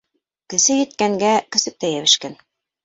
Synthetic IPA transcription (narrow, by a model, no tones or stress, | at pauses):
kɘ̆sɘjɘ̆t̪̚kæŋɡækɵ̆sɘ̆p̚t̪æjæβɘ̆ʃkæn